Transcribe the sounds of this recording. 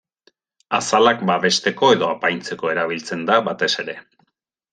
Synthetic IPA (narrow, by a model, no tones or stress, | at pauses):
asalakbaβe̞st̪e̞ko̞e̞ðo̞apajnt͡se̞ko̞e̞ɾaβ̞ilt͡se̞nd̪aβat̪e̞se̞ɾe̞